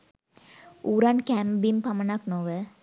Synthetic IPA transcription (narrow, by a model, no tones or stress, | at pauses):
uːɾɐnkæmbimpɐmɐnaknoʋə